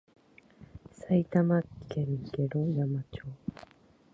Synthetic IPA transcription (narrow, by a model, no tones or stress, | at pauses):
sait̪amakeɲiɡeɾõjamat͡ɕoː